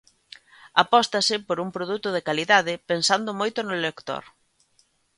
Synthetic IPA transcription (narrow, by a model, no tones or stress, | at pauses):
apɔst̪ɐsɪpoɾuŋpɾoð̞ut̪ʊð̞ekaliðaðɪpensand̪ʊmojt̪ʊnʊlekt̪o̰ɾ